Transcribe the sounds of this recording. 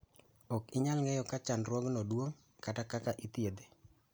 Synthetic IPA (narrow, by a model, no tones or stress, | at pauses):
ɔkɪɲalŋejɔkat͡ʃanɾwɔɡnɔdwoŋ | katakakaʔit̪jed̪e